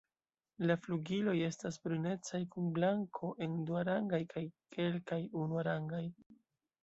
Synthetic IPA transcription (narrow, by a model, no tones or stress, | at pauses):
lafluɡilo̞je̞stasbɾune̞t͡sajkunblaŋkʰo̞ʔe̞nduaɾaŋɡajkajke̞lkajunuaɾaŋɡaj